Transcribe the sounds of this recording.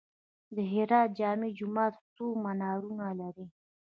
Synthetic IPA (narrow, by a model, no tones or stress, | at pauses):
d̪əɦɪɾɑt̪̚d͡ʒɑmid͡ʒʊmɑt̪t͡somanɑɾunalaɾi